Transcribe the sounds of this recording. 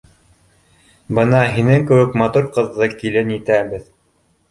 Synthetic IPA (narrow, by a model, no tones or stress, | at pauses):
bɤnɑɦinɘŋkɘ̆wɘkmɑt̪uɾqɤ̆ðːɤkilɘnit̪æbɘð